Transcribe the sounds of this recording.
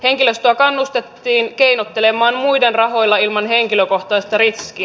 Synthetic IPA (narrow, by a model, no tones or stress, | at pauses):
he̞ŋkiløst̪oɑkɑnːust̪et̪ːiːnke̞inot̪ːele̞mɑːmmujde̞nrɑɦo̞jlːɑilmɑnɦe̞ŋkiløko̞ht̪ɑːst̪ɑɾiskiæ